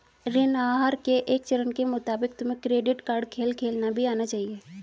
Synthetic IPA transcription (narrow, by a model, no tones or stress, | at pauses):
ɾɪnaːɦaɾkeʔeːkt͡ʃəɾənkemʊt̪aːbɪk̚t̪ʊmẽkɾeːɖɪʈkaːɾɖkʰeːlkʰeːlnabʱiaːnat͡ʃaːɦieː